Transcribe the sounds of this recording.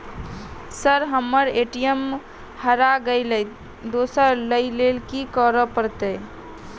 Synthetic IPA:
səɾɦəmːəɾeʈijəm | həɾaɡəjləjt̪ | d̪osəɾləilelkikəɾəpəɾt̪e

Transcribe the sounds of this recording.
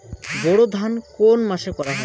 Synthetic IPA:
boɽod̪ʱankonmaʃekɔɾaɦɔe

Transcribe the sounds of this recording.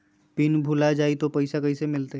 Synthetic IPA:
pɪnbʱulad͡ʒaːit̪opəɪsakəisemɪlt̪e

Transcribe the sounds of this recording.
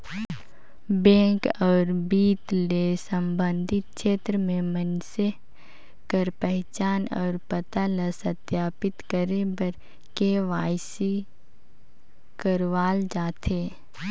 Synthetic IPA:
bɛ̃ːkɔːɾbiːt̪lesə̃mbə̃nd̪ʱɪt̪̚ʃeːt̪ɾəmẽmənse | kəɾpəɦt͡ʃaːnɔːɾpət̪alasɐt̪jaːpɪt̪kəɾebəɾ | keʋaːjsi | kəɾʋaːld͡ʒaːt̪ʰeː

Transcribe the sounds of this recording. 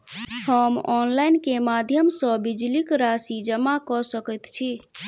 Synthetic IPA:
həmɔnlajnkemad̪ʱjəmsə̃bid͡ʒlikɾasid͡ʒəmakɔsəkət̪t͡ʃʰi

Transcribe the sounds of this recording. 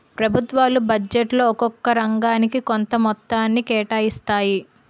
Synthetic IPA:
pɾɐbʱut̪ʋaːlubɐd͡ʒeʈlo̞ːɔkɔkːɐɾɐŋɡaːnikikont̪ɐmɔt̪ːaːnːikɛːʈaːjist̪aːji

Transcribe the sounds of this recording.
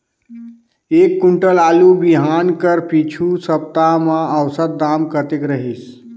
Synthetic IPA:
ekːuɳʈəlalubiɦankəɾpit͡ʃʰusəp̚t̪amãəwsət̪̚d̪amkət̪ekɾəɦis

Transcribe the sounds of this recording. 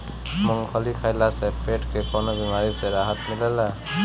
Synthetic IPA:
muŋpʰɔlikʰajlasɛpeʈkepɔnɔbimaɹiseɾaɦat̪milala

